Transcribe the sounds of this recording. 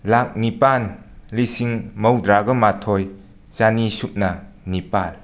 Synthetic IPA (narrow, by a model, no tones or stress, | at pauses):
lak̚nipanlisiŋmɐwdɾaɡɐmatʰoj | t͡ʃanisup̚nɐ | nipal